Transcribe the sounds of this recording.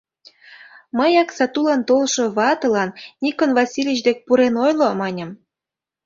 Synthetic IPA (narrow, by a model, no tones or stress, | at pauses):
məjɑksɑt̪ulɑnt̪olʃoβɑt̪ɤ̆lɑnnʲikənvɑsʲilʲit͡ɕd̪ek̚puɾenojlomɑnʲə̆m